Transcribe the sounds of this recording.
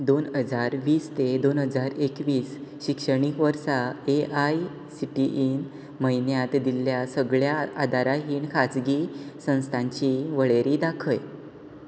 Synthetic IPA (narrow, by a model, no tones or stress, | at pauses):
d̪onɦəd͡zaɾʋiːst̪ed̪onɦəd͡zaɾekʋiːsɕikʂəɳikʋəɾsaeʔaj | siʈiʔiːn | məjnjat̪d̪iljasəɡɭjaad̪ʱaɾaɦiːɳkʰad͡zɡiːsə̃w̃st̪ʰãɲt͡ɕiʋəɭeɾid̪akʰəj